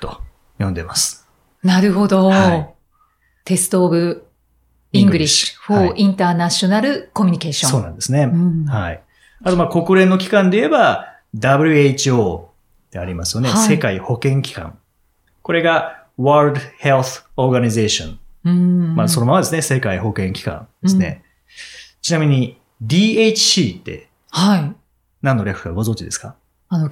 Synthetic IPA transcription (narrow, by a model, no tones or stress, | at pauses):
t̪o̞ | jõ̞nd̪e̞masɨ̥ | naɾɯ̟ɦo̞d̪o̞hai | t̪e̞sɨ̥t̪o̞ːbɯ̟ | ĩŋɡɡɯ̟ɾʲiɕi̥ɸoʔĩnt̪aːnaɕio̞naɾɯ̟ko̞mʲiɲ̟ike̞ːɕõso̞ːnã̰nd̪e̞sɨnẽ̞hai | at̪o̞mako̞kɯ̟ɾẽ̞nːo̞kʲi̥kãnd̪e̞ie̞ba | d̪abɯ̟ɾʲɯ̟eit͡ɕioː | t̪e̞aɾʲimasɨjo̞ne̞se̞kaiho̞kẽ̞ŋkʲi̥kã̰ŋ | ko̞ɾe̞ɡa | βaɾd̪he̞lθo̞ɾɡaɲize̞ːɕõ̰n | maso̞no̞mamad̪e̞sɨne̞se̞kaiho̞kẽ̞ŋkʲi̥kã̰nd̪esɨnḛ | t͡ɕinamʲiɲ̟i | d̪ʲiːet͡ɕi̥ɕiːt̪ːe̞̰ | hai | nãnːo̞ɾʲakɯ̟̥kaɡo̞zõ̞ɲd͡ʑid̪e̞sɨ̥ka | ano